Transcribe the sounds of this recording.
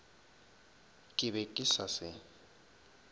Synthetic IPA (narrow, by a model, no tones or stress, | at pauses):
kʼɪβɛkʼɪsasɪ